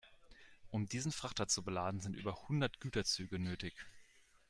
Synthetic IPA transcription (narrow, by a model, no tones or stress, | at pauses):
ʔʊmdiːzn̩fʁ̥aχtɐt͡subəlaːdn̩zɪntʔy̰ːbɐhʊndɐtɡ̥yːtɐt͡syːɡənøːtɪç